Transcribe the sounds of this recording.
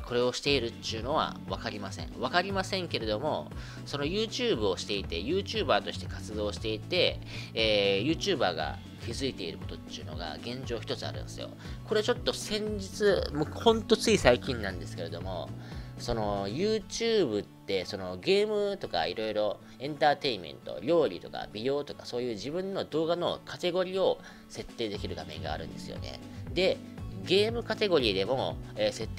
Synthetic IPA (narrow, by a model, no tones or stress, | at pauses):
kʰo̞ɾe̞o̞ɕi̥t̪e̞iɾɯ̟t̪ːɯ̟no̞βa̰βakaɾʲimasẽ̞̰ɴ̃βakaɾʲimasẽ̞ŋke̞ɾe̞d̪o̞mo̞̰ | so̞no̞jɯːt͡ɕɨːbɯ̟o̞ɕi̥t̪e̞it̪e̞jɯːt͡ɕɨːbaːt̪o̞ɕi̥t̪e̞kat͡sɨd̪o̞ːɕi̥t̪e̞it̪e̞ː | jɯ̟ːt͡ɕɨːbaːɡa̰ | kʲizɨit̪e̞ḭɾɯ̟kot̪o̞t̪ːiɯ̟no̞̰ɡa̰ɡẽ̞ɲ̟d͡ʑo̞ːçi̥t̪o̞t͡sɨa̰ɾɯ̟̃ñsɨjo̞̰ko̞ɾe̞t͡ɕo̞t̪ːo̞sẽ̞ɲ̟d͡ʑit͡sɨmohõ̞nt̪o̞t͡sɨisaikʲĩnːãnd̪e̞sɨ̥ke̞ɾe̞d̪o̞mo̞̰so̞nojɯːt͡ɕɨːbɯ̟t̪ːe̞so̞no̞ɡe̞ːmɯ̟t̪o̞ka̰iɾo̞iɾo̞ | ẽ̞nt̪aːt̪e̞imẽ̞̰nt̪o̞̰ɾʲo̞ːɾʲḭt̪o̞ka̰bʲidʲo̞ːt̪o̞kḁso̞ːjɯ̟ːʑibɯ̟̃nːo̞d̪o̞ːɡano̞̰kʰat̪e̞ɡo̞ɾʲio̞ | se̞t̪ːe̞ːd̪e̞kʲiɾɯ̟ɡamẽ̞̰ŋɡa̰ːɾɯ̟̃nd̪e̞sɨjo̞̰ne̞̰d̪e̞ɡe̞ːmɯ̟kat̪e̞ɡo̞ɾʲiːd̪e̞mo̞ːse̞t̪ːe